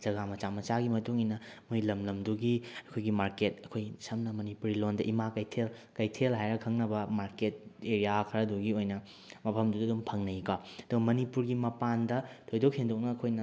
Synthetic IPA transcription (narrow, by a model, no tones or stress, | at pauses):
d͡ʒɐɡamɐt͡ʃamɐt͡ʃaɡimɐtuŋinɐmojlɐmlɐmduɡiɐkʰojɡimaɾket̚ɐkʰojsɐmnɐmɐnipuɾilondɐʔimakɐjtʰelkɐjtʰelɦajɾɐkʰɐŋnɐbɐmaɾket̚eɾijakʰɐɾɐduɡiojnɐ | mɐpʰɐmduddumpʰɐŋnɐikaɐd̥uɡɐmɐnipuɾɡimɐpandɐtʰojdok̚hendok̚nɐːkʰojnɐ